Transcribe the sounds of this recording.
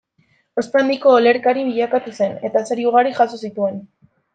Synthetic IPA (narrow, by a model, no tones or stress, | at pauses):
o̞spand̪iko̞ːle̞ɾkaɾiβiʎakat̪use̞ne̞t̪aseɾiuɣ̞aɾixasosit̪ue̞n